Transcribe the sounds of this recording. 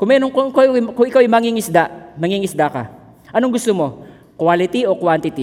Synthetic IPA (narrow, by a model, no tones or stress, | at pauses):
kʊmɛnoŋkokakʊʔɪkawajmɐŋiŋɪsd̪amɐŋiŋɪsd̪aka̰ | ʔɐnoŋɡʊst̪omo̞ | kwalɪt̪iokwant̪ɪt̪i